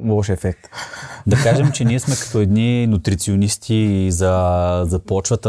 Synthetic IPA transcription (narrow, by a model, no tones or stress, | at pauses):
lˠɔʃɛfɛk̚t̪d̪ɐkaʒɛmt͡ʃɛniɛsmɛkɐ̥t̪ɔɛd̪ninut̪ɾit̪sionist̪ʰizɐzɐpɔt͡ʃvət̪ə